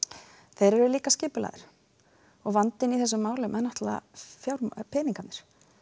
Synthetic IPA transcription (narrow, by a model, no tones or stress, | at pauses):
θejɾɛɾʏliːkascɪːpʏla̰ːðɪɾ̥ | ɔɣvant̪ɪniθɛsːʏmːaːwlʏmʔɛnɔht̪la̰fjaːwɾpʰɛːniŋkat̪nɪ̥ɾ̥